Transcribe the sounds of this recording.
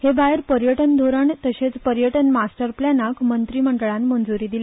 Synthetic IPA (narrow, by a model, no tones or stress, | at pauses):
hebajəɾpəɾjəʈənd̪ʱoɾəɳt̪əɕet͡spəɾjəʈənmasʈəɾplanakmənt̪ɾiməɳɖɭãnmənd͡zuɾiːd̪ile